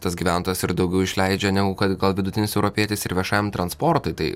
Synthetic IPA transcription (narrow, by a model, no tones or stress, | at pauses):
t̪ɐsɡʲiːʋʲæˑnt̪oːjɛsɪɾd̪ɐʊɡʲɛʊɪʃʲlʲæɪd͡ʒʲɛnʲæɡʊkɐt̪ɡɐlˠʋʲɪd̪ʊt̪ʲɪnʲɪsɛʊɾɔpʲiɛt̪ʲɪsɪɾʋʲiɛʃɑːmt̪ɾɐnspɔɾt̪ʊɪt̪ɐɪ